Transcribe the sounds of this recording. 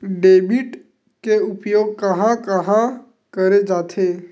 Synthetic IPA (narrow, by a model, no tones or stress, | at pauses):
ɖeːbɪʈ | keʊpjoːɡ̚kɐɦãkɐɦã | kəɾed͡ʒaːt̪ʰeː